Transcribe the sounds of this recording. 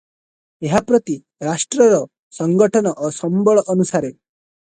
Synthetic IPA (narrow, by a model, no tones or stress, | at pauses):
eɦapɾɔt̪i | ɾasʈɾɔɾɔ | sɔŋɡɔʈʰɔnɔʔɔsɔmbɔɭɔʔːnusaɾe